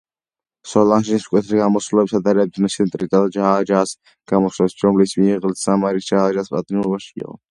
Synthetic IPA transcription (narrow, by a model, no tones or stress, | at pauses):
sɔlanʃiniskʼwɛt̪ʰɾiɡamɔsulɛbisad̪aɾɛb̚d̪naʃit̪ʼɾit̪ʼalad͡ʒaad͡ʒaːs | ɡ̥amɔʃlɛsɾɔmlismiːʁəlt̪ʰsamaɾisd͡ʒaaːd͡ʒaːspʼa̰t̪ʼnuɾbaʃɡḭʁɔ̰